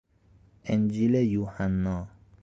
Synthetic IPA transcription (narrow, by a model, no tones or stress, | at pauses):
end͡ʒilejuːhanːɔː